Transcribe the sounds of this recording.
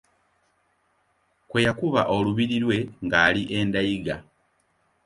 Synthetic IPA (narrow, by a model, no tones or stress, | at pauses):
kwejakuβaʔo̞luβiɾiɾwe̞ŋɡaːliʔeːndaiɡa